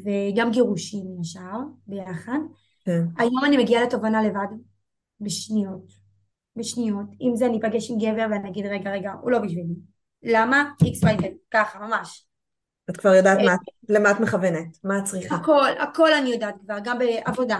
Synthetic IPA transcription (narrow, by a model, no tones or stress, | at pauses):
veɡamɡeʁuʃimjaʃaʁbe̞jaχad | kenajo̞manime̞ɡiale̞tovanale̞vad | beʃnijo̞t | beʃnijo̞timzeanipaɡe̞ʃimɡeve̞ʁveanijaɡidʁeɡaʁe̞ɡaulo̞biʃvili | lamaiksvajtenkaχamamaʃ | atkvaʁjo̞daːtmatlematmeχavenetmaːt͡sʁiχako̞la̰ko̞lanijodaːt̚kvaʁɡambeʔavo̞da